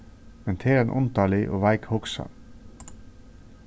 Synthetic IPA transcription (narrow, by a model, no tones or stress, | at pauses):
mɛnt̪ʰeːɾɛnʔʊ̰nt̪ɑlɪʔo̰ːʋæɪkhʊksɑ̰